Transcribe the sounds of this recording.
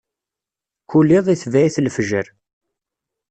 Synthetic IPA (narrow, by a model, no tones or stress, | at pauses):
kulːɪðˤiθvæiθlfʒəɾ